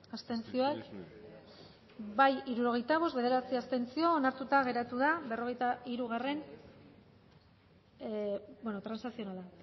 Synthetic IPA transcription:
ast̪e̞nt͡sio̞ek | bajiɾuɾo̞ɣ̞e̞jt̪aβ̞o̞zbe̞ð̞e̞ɾat͡siast̪e̞nt͡sio̞ːnaɾt̪ut̪aɣe̞ɾat̪uðaβe̞ro̞ɣe̞jt̪aiɾuɣ̞are̞n | bwenot̪ɾansasio̞nala

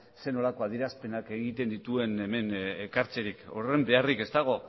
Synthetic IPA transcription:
se̞no̞lako̞aðiɾaspe̞nake̞ɣit̪e̞nd̪it̪ue̞ne̞me̞nekaɾt͡se̞ɾiko̞̰re̞mbe̞arike̞st̪aɣ̞o̞

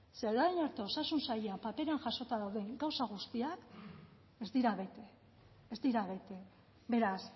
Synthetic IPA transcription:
seðaenoɾt̪eo̞sasunsajeapape̞ɾeaŋʝaso̞t̪aðawðe̞ŋɡawsaɣ̞ust̪iak | ezd̪iɾaβe̞t̪e | ezd̪iɾaβe̞t̪e̞ | be̞ɾas

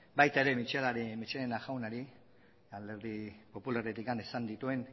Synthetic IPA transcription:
bajt̪ae̞ɾe̞mit͡ʃelaɾimit͡ʃelenaʝawnaɾi | ald̪e̞ɾðipo̞pulaɾet̪ikanesand̪it̪ue̞n

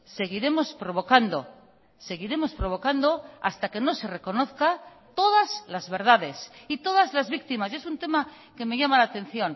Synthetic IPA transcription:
se̞ɣ̞iɾe̞mo̞spɾo̞βo̞kand̪o̞̰ | se̞ɣiɾe̞mo̞spɾo̞βo̞kand̪o̞a̰st̪ake̞no̞se̞re̞ko̞no̞θka | t̪o̞ðazlazβe̞ɾðaðe̞sit̪o̞ðazlazβik̚t̪imase̞sunt̪e̞ma | keme̞ʝamalaːt̪ẽ̞n̟θjo̞n

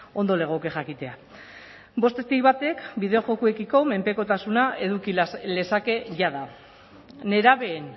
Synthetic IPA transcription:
o̞nd̪o̞le̞ɣ̞okeʝakit̪e̞a | bo̞st̪est̪ijβat̪e̞kbiðe̞o̞ʝo̞kue̞kiko̞me̞mpe̞ko̞t̪asunae̞ðukile̞sake̞ʝaða | ne̞ɾaβe̞ːn

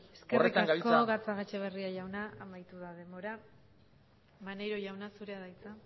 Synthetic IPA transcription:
eskerit̪aaɡaβkoɣat͡saɣat͡ʃeβ̞e̞riaʝawnaamajt̪uðað̞e̞mbo̞ɾa | mane̞ɾo̞ʝawnasuɾe̞aðajt͡sa

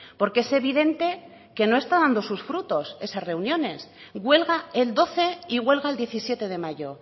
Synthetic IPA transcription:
po̞ɾke̞ese̞βiðe̞nt̪e̞ | ke̞no̞e̞st̪aðand̪o̞susfɾut̪o̞se̞sasre̞unjõ̞ne̞sɣwe̞lɣaeld̪o̞θe̞iɣwe̞lɣaeld̪je̞θisje̞t̪e̞ð̞e̞maʝo̞

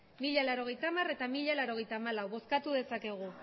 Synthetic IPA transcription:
miʎalaɾo̞ɣ̞e̞jt̪amare̞t̪amiʎalaɾo̞ɣ̞e̞jt̪aːmalawβo̞skat̪uðe̞sake̞ɣ̞u

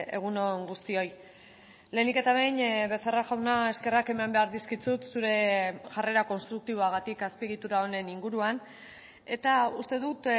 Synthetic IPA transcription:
e̞̰ɣ̞unoŋɡust̪io̞j | le̞nike̞t̪aβejnβe̞saraʝawnae̞ske̞rake̞mambe̞aɾðiskit͡sut̪suɾe̞ʝare̞ɾako̞nst̪ɾuk̚t̪iβ̞o̞aɣat̪ikaspieɣit̪uɾao̞ne̞niŋɡuɾuan | e̞t̪aust̪e̞ðut̪

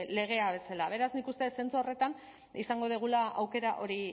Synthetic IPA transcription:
le̞ɣ̞e̞aβe̞salaβ̞e̞ɾaznikust̪e̞ese̞nt͡suore̞t̪an | isaŋɡo̞ð̞eɣ̞ulaawke̞ɾaʔo̞ɾi

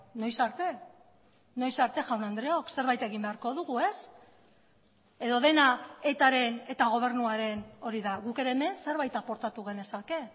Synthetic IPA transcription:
no̞jsaɾt̪e̞ | no̞jsaɾt̪e̞ʝawnand̪ɾe̞o̞kse̞ɾβajt̪e̞ɣimbeaɾko̞ðuɣue̞s | e̞ðo̞ðe̞nae̞t̪aɾe̞ne̞t̪aɣ̞o̞β̞e̞ɾnuaɾe̞no̞ɾiðaɣuke̞ɾe̞ːme̞nse̞ɾβajt̪apo̞ɾt̪at̪uɣ̞e̞ne̞sake̞

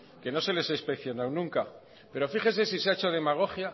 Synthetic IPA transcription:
ke̞no̞se̞le̞saispe̞kθjo̞nawnũŋka | pe̞ɾo̞fiχe̞nse̞siseaet͡ʃoð̞e̞maɣ̞o̞xja

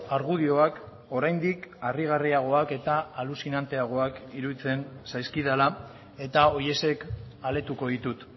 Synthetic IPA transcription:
aɾɣuð̞io̞ak | o̞ɾajnd̪ikariɣ̞ariaɣ̞o̞ake̞t̪aːlusinant̪e̞aɣ̞o̞akiɾuðit͡se̞nsajskiðala | e̞t̪ao̞je̞se̞kale̞t̪uko̞ðit̪ut̪

